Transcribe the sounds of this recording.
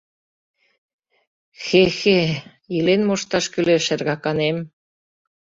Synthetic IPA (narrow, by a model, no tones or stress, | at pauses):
xexe | ilenmoʃt̪ɑʃkyleʃɘ̆rɣɑkɑnem